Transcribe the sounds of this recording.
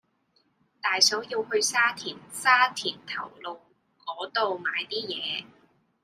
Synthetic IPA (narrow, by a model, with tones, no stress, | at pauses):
t̪aː˨jsɔː˨˥jiː˧whɵ˧ɥsaː˥t̪ʰiː˨˩nsaː˥t̪ʰiː˨˩nt̪ʰɐ̰˨˩wlo˨w | kɔː˨˥t̪o˨wmaː˨˧jt̪iː˥jɛː˨˧